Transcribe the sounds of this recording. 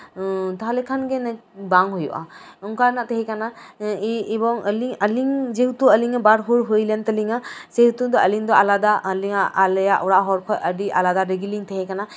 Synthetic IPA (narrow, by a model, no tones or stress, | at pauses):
t̪aɦalekʰanɡenabaŋɦujṵʔa̰ɔŋkaɾnaʔt̪ʰeɦekanaiːbɔŋəliŋɐliŋd͡ʒeɦut̪uəliŋɯbaɾɦuɾɦujlent̪ɐliŋasehut̪uŋd̪ɔɐliŋd̪ɔalad̪aliŋaːljaʔuɾaɦɔɾkʰɔʔədiʔa̰lad̪aɾeɡiliŋt̪ʰeɦɛkana